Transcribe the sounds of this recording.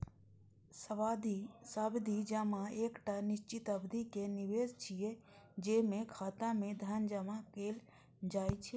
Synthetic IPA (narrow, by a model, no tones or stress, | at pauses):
səʋaːd̪isabd̪ʱid͡ʒaːmãeːkʈanɪʃt͡ʃɪt̪əbd̪ʱikenɪʋeːzt͡ʃʰijed͡ʒeːmẽkʰaːt̪ãmẽd̪ʱaːnd͡ʒamakeːl | d͡ʒaːit͡ʃʰe